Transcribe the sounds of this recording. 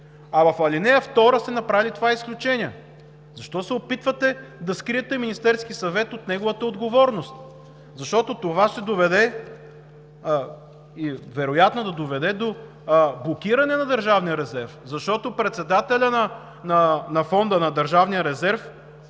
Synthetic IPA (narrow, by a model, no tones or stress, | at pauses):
ɐvɐfɐlinɛjɐft̪ɔɾəsɛnɐpɾavilʲit̪ovaisklʲut͡ʃɛniɛ | zɐʃt̪ɔsɛopit̪vɐt̪ɛd̪ɐskɾiɛt̪ɛminist̪ɛɾskisɐvɛt̪ot̪nɛɡovət̪əod̪ɡovɔɾnost̪ | zɐʃt̪ɔt̪ot̪ovaʃt̪ɛd̪ovɛd̪ɛ | ivɛɾojat̪nod̪ɐd̪ovɛd̪ɛd̪o | blˠokiɾɐnɛnɐd̪əɾʒavnijəɾɛzɛɾfzɐʃt̪ɔt̪opɾɛt̪sɛd̪at̪ɛlʲɐnɐ | nɐnɐfɔnd̪ənɐd̪əɾʒavnijəɾɛzɛɾf